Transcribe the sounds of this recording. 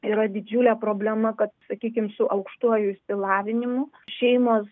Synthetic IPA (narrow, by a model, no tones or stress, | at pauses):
iɾɐd̪ʲɪd͡ʒʲulʲɛpɾoːbʲlʲɛmɐkɐt̪sɐkʲiːkʲɪmsʊʔɐʊkʃt̪uɔjʊɪsʲpʲɪlˠɑːʋʲɪnʲɪmʊ | ʃʲɛɪmoːs